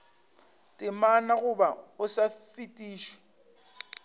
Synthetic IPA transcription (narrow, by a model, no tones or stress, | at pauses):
tʼɪmanaɣʊbaʊsafitʼiːʃɔ̥